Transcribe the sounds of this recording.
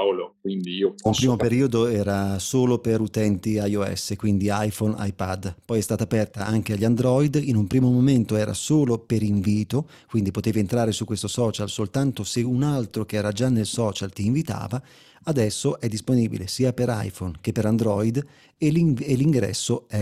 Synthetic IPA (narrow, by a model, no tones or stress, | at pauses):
lokwind̪iiːoumpɾimoppeɾiːod̪oɛːɾasoːlopeɾut̪ɛnt̪iajoɛ̰sːekwind̪iajfona̰jpad̪pɔjɛst̪aːt̪aːpɛrt̪aʔaŋk̟eaʎːand̪ɾɔjd̪inumpɾiːmomoment̪oɛːɾa̰soːlopeɾiɱviːt̪o | kwind̪ipot̪eːvient̪ɾaːɾesukːwest̪osɔːt͡ʃalsolt̪ant̪oseunalt̪ɾokeɛːɾad͡ʒanːelsɔːt͡ʃalt̪iːɱvit̪a̰ːva | ad̪ɛsːoʔɛd̪ːisponiːbḭlesiːapeɾa̰jfonk̟epːeɾand̪ɾɔid̪ | elieliŋɡɾɛ̰sːoɛ